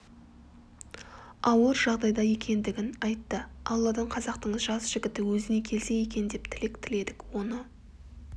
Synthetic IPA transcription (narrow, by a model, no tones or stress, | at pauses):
ɑwəɾʒɑʁd̪ɑjd̪ɑje̞kʲe̞nd̪ɪɡʲɪnɑjt̪ːəɑlˠːɑd̪ɑɴqʰɑzɑqt̪əɴʒɑsʒ̥ɪɡʲɪt̪ɪwɵzɪne̞kʲʰe̞lse̞je̞kʲe̞nd̪e̞pt̪ʰɪle̞kt̪ʰɪle̞d̪ɪkwo̞nə